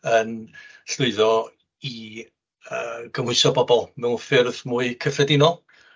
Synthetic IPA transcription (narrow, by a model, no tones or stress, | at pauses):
ən | ɬʊɨðɔ | i | əːɡʰəmhʊɨsɔbɔbɔlˠmɛwnfɪrðmuːɨkʰəfɛdɪnɔ